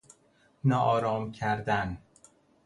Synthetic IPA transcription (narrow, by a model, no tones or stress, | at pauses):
nɒːʔɒːɾɒːmcʰæɾd̪æn